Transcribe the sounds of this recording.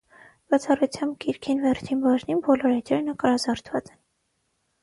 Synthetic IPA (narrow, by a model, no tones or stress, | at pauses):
b̥ɑt͡sʰɑrut͡sʰjɑmbkiɾkʰinvɛrt͡ʃʰinbɑʒninbɔlɔɾɛt̪ɾɛɾnəkɾɑzɑɾt̪ʰv̥ɑt͡sɛ̥n